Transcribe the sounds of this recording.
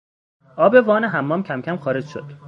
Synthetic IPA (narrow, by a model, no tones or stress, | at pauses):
ʔɒːbe̞vɒːneɦæmːɒːmcʰæmcʰæmxɒːɾed͡ʒʃo̰d̪̥